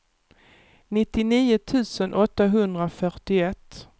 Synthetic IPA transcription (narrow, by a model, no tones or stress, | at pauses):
nɪt̪ːɪniːʊt̪ʰʉ̟ːsənʔɔt̪ːaɦɵnd̪ɾafœɾʈɪɛt̪ː